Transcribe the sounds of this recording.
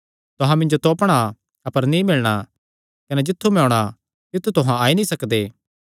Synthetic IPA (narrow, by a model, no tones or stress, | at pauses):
t̪ʊɦãmɪ̃ɲd͡ʒot̪oːpɽ̃a | ɐpəɾnĩmɪlɽ̃a | kɐnɛd͡ʒɪt̪ʰːumɛoːɽ̃a | t̪ɪt̪ʰːut̪ʊɦãaːinĩsɐkd̪eː